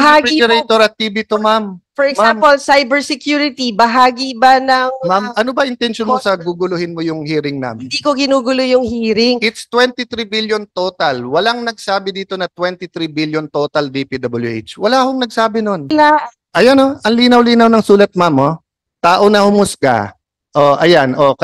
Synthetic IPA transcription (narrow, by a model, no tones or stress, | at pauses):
ɐhaːɡɛiʊɾɛjt̪oɾɐt̪̚ːiːbit̪omamfɔɾɛɡsampolsajbɛɹsɛkjuːɾɪt̪ibɐɦaːɡibanɐŋmamɐno̞bɐʔɪnt̪ɛnʃonmosɐɡuɡʊlʊhɪnmojʊŋhiːɾɪŋna̰mɪnd̪iːkoɡɪnuːɡʊlojʊŋhiːɾɪŋʔɪt̪st̪wɛnt̪ɪt̪ɾibiljont̪o̞ːt̪ɐlwɐlaŋnɐɡ̚saːbɪd̪iːt̪o̞nɐt̪wɛnt̪ɪt̪ɾibiljont̪o̞ːt̪ɐld̪ipid̪ɐbɐljʊʔejt͡ʃwɐlaːhoŋnɐɡ̚saːbɪno̞nla | ʔɐjonoɐŋliːnɐwliːnɐwnɐŋsuːlɐt̪̚mamo | t̪aːʔonɐhʊmʊsɡa̰ | ʔoʔɐjanʔok